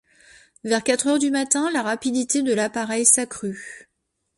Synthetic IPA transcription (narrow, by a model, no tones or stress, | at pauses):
vɛʁkʲat̪χœʁd̪ymat̪ɛ̃laʁapid̪it̪ed̪əlapaʁɛjsakχy